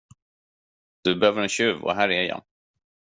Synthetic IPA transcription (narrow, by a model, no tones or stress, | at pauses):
d̪̥ɵbɛhøːvəɾɛnɕʉ̟ːvɔ̰ɦæːɾɛjɑ̰ː